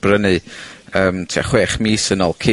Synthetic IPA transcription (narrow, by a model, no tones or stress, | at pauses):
b̥rənɨəːmtʰia̰χweːχmiːsənɔlˠkʰɪ